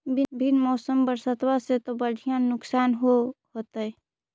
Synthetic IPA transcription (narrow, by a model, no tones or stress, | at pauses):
bʱbʱinmɔːsəmbəɾsət̪waset̪obəɽʱijãnʊksaːnɦoɦot̪ɦɛ